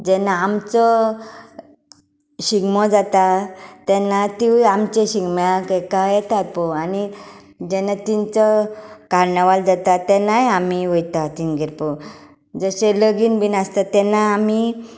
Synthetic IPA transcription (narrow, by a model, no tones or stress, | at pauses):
d͡ʑɛnaːmt͡sɔ | ɕiɡmɔd͡zat̪at̪ɛnat̪iʋamt͡ɕeɕiɡmjakekajet̪at̪̚poani | d͡ʑɛnat̪int͡səkaɾnəʋald͡zat̪at̪ɛnajamiʋojt̪at̪inɡiɾpo | d͡zəɕeləɡiːnbinast̪at̪ɛnaːmi